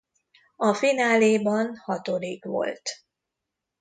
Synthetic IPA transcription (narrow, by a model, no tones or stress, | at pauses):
ɒfinaːleːbɒnhɒt̪oɾikʋo̞̰lt̪